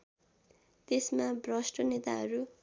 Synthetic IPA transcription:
t̪esmabrʌsʈʌnet̪aɦʌɾu

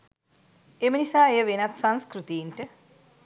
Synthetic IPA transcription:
emənisaːejəʋenat̪sanskɾut̪ijinʈə

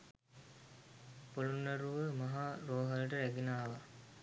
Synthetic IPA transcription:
polunːɐɾuʋəmɐɦaːɾoːɦɐləʈəɾæɡinaːʋa

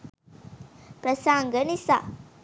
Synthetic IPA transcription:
pɾəsaŋɡənisa̰

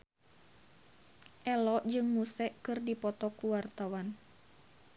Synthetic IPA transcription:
ʔɛlɔʔd͡ʒɨŋmusɛʔkɨrdipɔt̪ɔkuwart̪awan

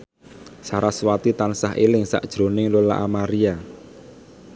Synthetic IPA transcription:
saɾaswat̪it̪ansaɦḛlɪŋsa̰ʔd̥ʒ̥ɾo̤nɪŋlola̰ʔamaɾia

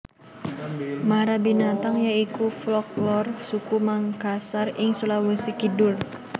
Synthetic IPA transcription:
maɾabinat̪aŋjaikuflɔk̚lɔrsukumaŋkasarɪŋsulawəsikidʊr

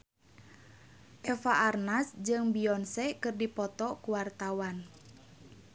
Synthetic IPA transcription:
ʔɛfaʔarnasd͡ʒɨŋbiɔnsɛkɨrdipɔt̪ɔkuwart̪awan

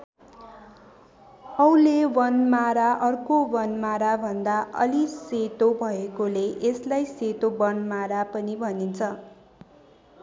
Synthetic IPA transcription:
ʌulewʌnmaɾaʔʌrkowʌnmaɾabʱʌnd̪aʔʌ̰liset̪obʱʌekoleʔeslajset̪obʌnmaɾapʌnibʱʌnint͡sʰʌ

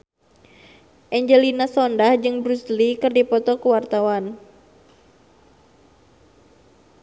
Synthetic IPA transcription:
ʔɛɲd͡ʒɛlinasɔndahd͡ʒɨŋbɾuslikɨrdipɔt̪ɔkuwart̪awan

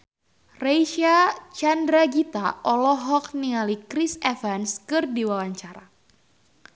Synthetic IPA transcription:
rejʃat͡ʃandɾaɡit̪aɔlɔɦɔk̚niŋalikɾisɛfanskɨrdiwawaɲt͡ʃaɾa

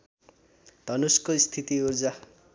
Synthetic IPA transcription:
d̪̥ʱʌnuskoist̪ʰit̪iurd͡za

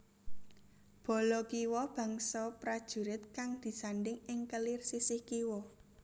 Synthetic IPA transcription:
b̥ɔ̤lɔkiwɔb̥ä̤ŋsɔpɾad̥ʒ̥ṳɾɪt̪̚kaŋd̪̥i̤saɳɖɪŋɪŋkəlirsisɪhkiwɔ

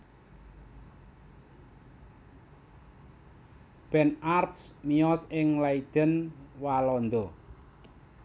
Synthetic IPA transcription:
b̥ɛ̤narpsmiɔsɪŋlaid̪̥ə̤nwalɔnd̪ɔ

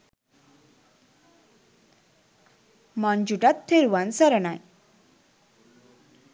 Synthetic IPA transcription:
mand͡ʒuʈat̪ʰːeɾuwansəɾənaj

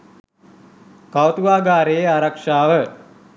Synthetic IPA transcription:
kawt̪uʋaːɡaːɾeeaɾakʂaːʋə

